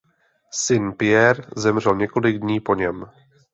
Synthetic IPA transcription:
sɪnpɪɛɾzɛmr̝ɛlɲɛko̞lɪɡdɲiːpo̞ɲɛm

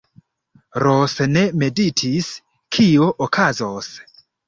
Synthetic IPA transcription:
ɾʔosne̞me̞ditʰis | kʰioʔokʰazos

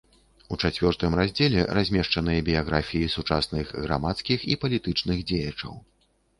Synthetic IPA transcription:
ut͡ʂat͡sʲvʲɔrt̪ɨmrazʲd͡zʲɛlʲɛɾazʲmʲɛʂt͡ʂɐnɨjɐbʲijaɣɾafʲijisut͡ʂasnɨɣɣɾa̰mat̪skʲixḭpɐlʲit̪ɨt͡ʂnɨɣd͡zʲejɐt͡ʂɐ̰w

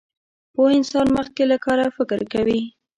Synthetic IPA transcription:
pohɪnsɑnməx̚kelakɑɾafɪkɾkawi

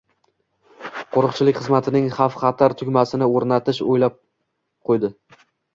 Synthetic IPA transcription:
qʰoɾɨqt͡ʃʰɪlɪkʲχɨzmat̪ʰɪnɪŋχɑfχɑt̪ʰaɾt̪ʰʊkʲmasɪnɪoɾnat̪ʰɪʃojlap̚ | qʰojd̪ɪ

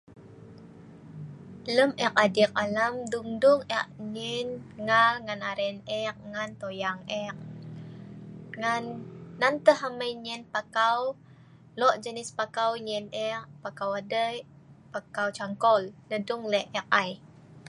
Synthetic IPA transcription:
ləmʔɛk̚adik̚alamduŋduŋɛʔ̚ɲɛnŋalŋanaɾɛnɛk̚ŋant̪ojaŋɛk̚ | ŋanːant̪əɦaməjɲɛnpakaw | lɔʔd͡ʒənɪspakawɲɛnɛʔpakawadəj | pakawt͡ʃaŋkɔlnədʊŋlɛʔɛk̚aj

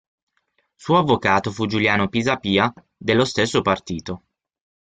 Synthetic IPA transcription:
suːoavːokaːt̪ofud͡ʒuljaːnopizapiːa | d̪elːost̪esːopart̪iːt̪o

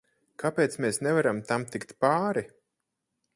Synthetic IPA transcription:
kʰapeːt̪smeːsnɛvaɾamt̪amt̪ikt̪paːɾi

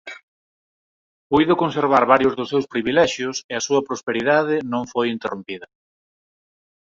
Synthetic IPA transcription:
pujðʊkonseɾβ̞aɾβaɾjʊzðʊsːewspɾiβilɛʃjʊseɐsuɐpɾospeɾiðað̞ɪnõŋfojint̪erompiðɐ

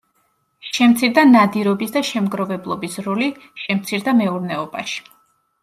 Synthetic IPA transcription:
ʃɛmt̪sʰiɾd̪anad̪iɾɔbisd̪aʃɛmɡɾɔvɛblˠɔbisɾɔli | ʃɛmt̪sʰiɾd̪amɛuɾnɛɔba̰ʃi̥

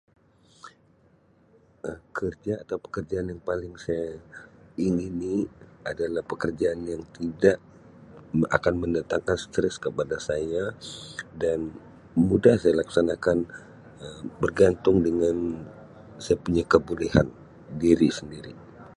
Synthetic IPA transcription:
əkʰərd͡ʒaːt̪awpə̥kərd͡ʒaːnjaŋpalɪŋsaja | iŋiniadalahpəkərd͡ʒaːnjaŋt̪idaʔ | a̰kanməndat̪aŋkanst̪ɾɛskəpadasaja | dan | mudahsajalaksanakan | əbərɡant̪ʊŋdəŋan | sajapuɲakəbulɛha̰n | diɾisəndiɾi

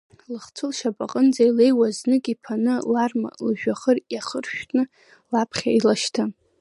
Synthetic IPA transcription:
lɨχt͡sʰʊlʃapʼaqʼənd͡zailejwaznɨkʼipʰanɨlarma̰lʒᶣaχərjaχərʃᶣnɨ | lapʰχʲailaʃtʰa

